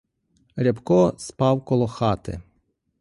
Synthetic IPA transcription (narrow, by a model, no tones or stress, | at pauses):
ɾʲɐpkɔspɑwkɔlˠɔxɑt̪ɪ̰